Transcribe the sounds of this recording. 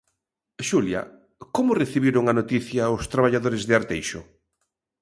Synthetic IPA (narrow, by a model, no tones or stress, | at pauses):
ʃuljɐ̰ | komʊreθiβiɾʊŋanot̪iθjaost̪ɾaβ̞aʎaðoɾɪzðɪaɾt̪ejʃʊ